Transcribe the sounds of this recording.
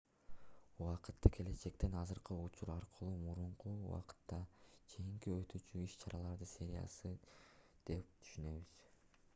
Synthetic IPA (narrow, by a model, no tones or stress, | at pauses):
uwɑqɯt̪ːɯkʰe̞le̞t͡ʃe̞k̚t̪enɑzɯɾqɯut͡ʃuɾɑɾqʰɯlˠuːmuɾuɴquwɑ̰qɯ̥t̪ːɑt͡ʃʰejiŋkiø̞t̪yːt͡ʃyiʃt͡ʃʰɑɾɑlˠɑɾd̪ɯsʲe̞ɾʲijɑ̰sɯd̪̥e̞p̚t̪ʰy̥ʃynø̞βyz̥